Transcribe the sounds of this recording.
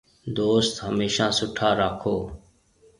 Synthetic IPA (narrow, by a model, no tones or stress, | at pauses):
d̪oːst̪ɦəmeːʃãːsʊʈʰaːɾaːkʰoː